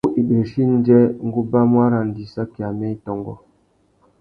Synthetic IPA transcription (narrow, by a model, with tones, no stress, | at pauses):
u˦ʔi˨ɗe˨ʃi˦n̩˦d͡ʒɛ˦ŋ˦ɡu˦ba˦mwa˦ɾa˨n˨di˨sa˦ki˨a˨mɛ˦i˦tɔ˨ŋɡɔ̰˨